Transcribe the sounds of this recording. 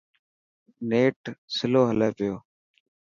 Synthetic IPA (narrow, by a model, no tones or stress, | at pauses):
neːʈsɪloːɦəleːpɪjoː